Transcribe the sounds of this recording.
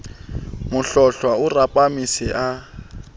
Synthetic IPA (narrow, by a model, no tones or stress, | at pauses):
mʊɬɔɬwaʊrapʼamisɪʔa